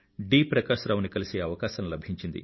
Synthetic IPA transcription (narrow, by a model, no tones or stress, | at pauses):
ɖiːpɾɐkaːʃɾɐːʋunikɐliseːɐʋɐkaːʃɐmlɐbʱiɲt͡ʃind̪ḭ